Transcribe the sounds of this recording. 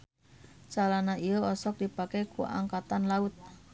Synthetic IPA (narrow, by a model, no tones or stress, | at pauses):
t͡ʃalanaijoɔsɔk̚dipakekua̰ŋkat̪anlaʊt̪̚